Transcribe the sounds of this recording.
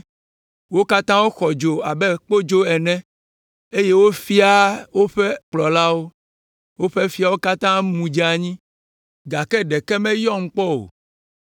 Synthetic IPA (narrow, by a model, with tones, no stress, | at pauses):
wo˦ka˦t̪ã˦wo˦xɔ˨d͡ʒo˨a˨bɛ˦k͡po˦d͡ʒo˦ɛ˨nɛ̃˦ | e˦je˦wo˦fi˦a˦wo˦ɸɛ˦k͡plɔ˨la˦wo˦ | wo˦ɸɛ˦fi˦a˨wo˦ka˦t̪ã˦mũ˨d͡ʒa˨ɲĩ˦ | ɡa˨kɛ˦ɖɛ˨kɛ˦mɛ̃˦jɔ̃˦ŋ̩˦k͡pɔ˦o̰˨